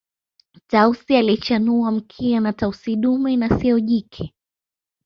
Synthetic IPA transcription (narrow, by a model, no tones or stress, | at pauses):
tausialit͡ʃanuam̩kʰianatausiɗumɛnasiɔʄikʰɛ